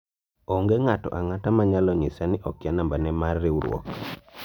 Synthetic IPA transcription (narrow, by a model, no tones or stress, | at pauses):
ɔŋɡɛŋatɔ̰ʔaŋatamaɲalɔŋɪsanɪʔɔkɪanambanɛmarːɪuɾw̰ɔ̰k